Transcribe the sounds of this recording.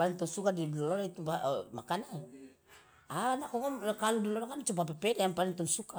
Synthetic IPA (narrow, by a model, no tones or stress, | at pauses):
alɛŋt̪ɔnsukadilɔlɔɾait̪ubamakana | anakɔŋɔmkaludɔlɔɾakant͡ʃup̬ap̬ɛpɛdajaŋpalɛŋt̪ɔnsuka